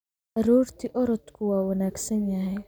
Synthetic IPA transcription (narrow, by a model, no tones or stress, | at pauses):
ʔɑɾuːrt̪ʰiʔɔɾɔd̪kʰʊwɑːwɐnaːɡsɐnjɐɦɛj